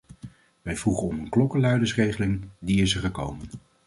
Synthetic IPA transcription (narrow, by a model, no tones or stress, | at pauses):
ʋɛjvruχənɔmənklɔkəlœɥdəsrejχəlɪŋdiɪsəɹχəkowmən